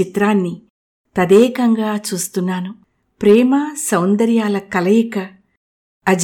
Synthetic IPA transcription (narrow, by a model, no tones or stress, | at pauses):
it̪ɾaːnːi | t̪ɐd̪ɛːkɐŋɡaːt͡ʃuːst̪unːaːnu | pɾɛːmɐsɐwnd̪ɐɾjaːlɐkɐlɐjikɐː | d͡ʒ